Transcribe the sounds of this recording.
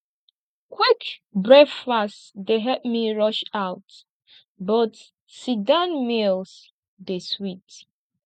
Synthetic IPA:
kʰwikbɹɛkfastdeɦɛp̚miɹɔʃaʊt | bɔt | sidãnmils | deswit

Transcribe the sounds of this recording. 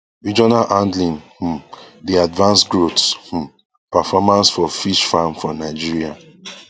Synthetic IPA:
id͡ʒɔnalʔãndlĩnh̩diadvãnsɡɹotsh̩ | pafɔmãnsfɔfiʃfamfɹɔ̃naɪd͡ʒiɹia

